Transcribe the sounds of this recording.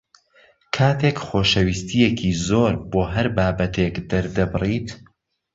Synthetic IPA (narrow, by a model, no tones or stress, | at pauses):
kʰaːt̪ʰekχoːʃɐwiːst̪ʰijekʰiːzoːɾboːɦɐɾbaːbɐt̪ʰekd̪ɐɾd̪ɐbɨrit̪